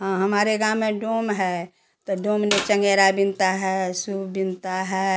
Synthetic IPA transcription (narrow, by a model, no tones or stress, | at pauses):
ɦãɦɐmaːɾeɡãːmẽɖoːmɦɛ | t̪oɖõːmnet͡ʃə̃ŋɡeːɾabɪnt̪aɦɛsubɪnt̪aɦɛː